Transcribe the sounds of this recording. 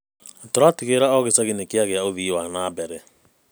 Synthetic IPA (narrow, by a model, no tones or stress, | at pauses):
toɾatiɣeɾaɔɣesaɣinekjaɣeaoðiːwanaːbɛɾɛ